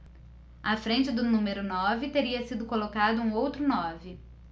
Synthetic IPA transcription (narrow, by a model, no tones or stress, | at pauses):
afɾẽnt͡ʃɪd̪ʊnũmeɾʊnɔvɪt̪eɾiɐsid̪ʊkolokad̪ʊũowt̪ɾʊnɔvɪ